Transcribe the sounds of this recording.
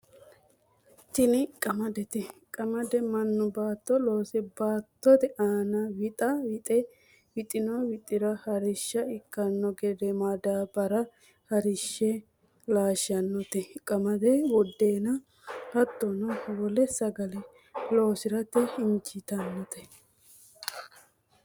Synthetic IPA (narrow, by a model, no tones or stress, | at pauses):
t̪ɪnɪkʼɐmɐd̪ɛt̪ɛkʼɐmɐd̪ɛmɐnːʊbaːt̪ːɔloːsɛbaːt̪ːɔt̪ɛʔaːnɐwɪt̪ʼɐwɪt̪ʼɛ | wɪt̪ʼɪnɔwɪt̪ʼɪɾɐhɐɾɪʃːɐɪkːɐnːɔɡɛd̪ɛmad̪aːbɐɾɐ | hɐɾɪʃːɛ | laːʃɐnːɔt̪ɛkʼɐmɐd̪ɛwɔd̪ːeːnɐ | hɐt̪ːɔnɔwɔlɛsɐɡɐlɛ | lo̞ːsɪɾɐt̪ɛɪnt͡ʃɪt̪ɐnːɔt̪ɛ